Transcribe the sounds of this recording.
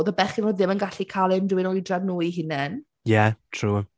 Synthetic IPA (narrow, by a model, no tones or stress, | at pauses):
ðəbɛχɪnoːd̪ðɪmənɡaɬikʰaːlˠɪmdɪwɪnɔjdraɡnuːiɦɪnɛn | jɛtʰruː